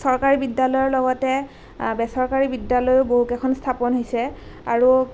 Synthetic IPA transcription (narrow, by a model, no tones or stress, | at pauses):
sɔɹkaɹibidalɔjɔɹlɔɡɔtɛ | bɛsɔɹkaɹibidːalɔjʊboɦukɛkʰɔnstʰapɔnɦojsɛa̰ɹu